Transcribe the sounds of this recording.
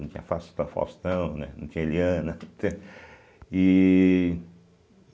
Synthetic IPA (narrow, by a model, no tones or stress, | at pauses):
ɐ̃t͡ʃ̪ĩɲɐfast̪ɐ̃fa̰st̪ɐ̃w̃nɛnɐ̃t͡ʃ̪ĩɲɐeliɐ̃nɐt̪e | i